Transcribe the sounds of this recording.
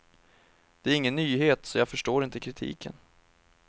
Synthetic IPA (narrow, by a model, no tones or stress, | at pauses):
d̪̥ɛæɾɪŋːənːyːɦeːt̪sɔjɑːɡfœʂʈoːɾɪnt̪əkʰɾɪt̪ʰḭːkʰə̰n